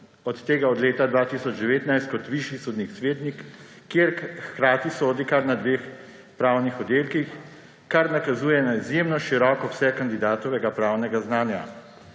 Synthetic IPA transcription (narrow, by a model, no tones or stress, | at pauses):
ɔt̪ːeːɡaɔd̪leːt̪ad̪ʋaːt̪iːsɔd͡ʒd̪ɛʋeːt̪najst̪̚kɔt̪ʋiʃjisoːd̪nixsʋeːt̪nikː | jeːɾxkɾaːt̪isoːd̪ikaɾnad̪ʋeːx | pɾaːwnixɔd̪eːlkix | kaɾnakazuːjɛnaizjeːmnɔʃiɾɔːkɔwsɛkand̪id̪aːt̪ɔʋɛɡapɾaːwnɛɡaznaːnja̰